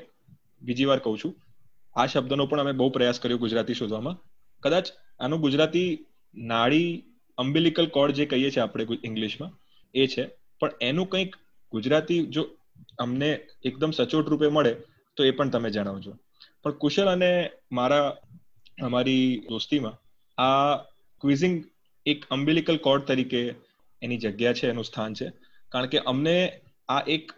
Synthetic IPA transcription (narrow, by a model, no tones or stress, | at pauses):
bid͡ʒiʋaɾkəɦũt͡ʃʰũ | aʃəb̚d̪ənopəɳ̃əmebəɦupɾəjaskəɾjõɡʊd͡ʒɾat̪iʃod̪ʱʋamã | kəd̪at͡ʃanũɡʊd͡ʒɾat̪i | naɭi | əmbilikəlkɔɽd͡ʒekəɦijet͡ʃʰeapɽ̃eɪ̃ŋɡliʃmã | et͡ʃʰe | pəɳenũkə̃ĩk | ɡʊd͡ʒɾat̪id͡ʒo | əmneːkd̪əmsət͡ʃoʈɾupeməɭe | t̪oepəɳt̪əmed͡ʒəɽ̃aʋot͡ʃʰo | pəɳkʊʃələnemaɾa | əmaɾid̪ost̪imã | a | kʋizɪŋɡ | ekəmbilikəlkɔɾɖ̚t̪əɾikeː | nid͡ʒəɡjat͡ʃʰeːnũst̪ʰant͡ʃʰe | kaɾəɳkeʔəmne | aʔek